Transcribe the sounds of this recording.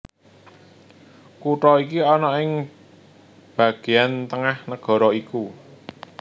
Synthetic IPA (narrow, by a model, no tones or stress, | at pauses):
kuʈɔikiɔnɔɪŋ | b̥ä̤ɡ̥e̤ant̪əŋahnəɡ̥ɔ̤ɾɔiku